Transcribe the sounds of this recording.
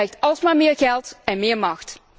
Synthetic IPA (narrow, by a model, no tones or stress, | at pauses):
ɛjxtɑlˠsmaːmɪːɹɣɛlˠtɛnmɪːɹmɑxt